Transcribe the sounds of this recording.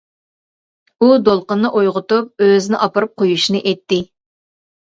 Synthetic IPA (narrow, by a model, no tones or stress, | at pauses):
ud̪olˠqənːɨʔojʁʊt̪up̚øzɪnɪʔɑpɨɾɨp̚qʰojuʃinɨʔɛt̪ʰːɪ